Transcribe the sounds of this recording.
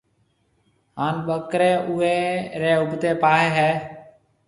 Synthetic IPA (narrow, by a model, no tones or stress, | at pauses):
ɦaːnɓəkɾẽːʔʊːeːɾeːʊbʱt̪eːpaːɦeːɦɛː